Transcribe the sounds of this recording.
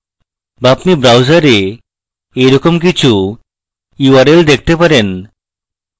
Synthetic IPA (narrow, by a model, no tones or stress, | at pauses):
bapnibɾawd͡ʑaɾe | ejɾɔkomk̬it͡ɕʰu | uaɾeld̪ek̚ʰt̪epaɾen